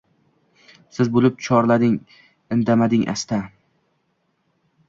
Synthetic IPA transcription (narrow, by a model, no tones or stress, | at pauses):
sɪzbolɪp̚t͡ʃʰɒɾlad̪ɪŋ | ɪnd̪amad̪ɪŋʔa̰st̪ʰa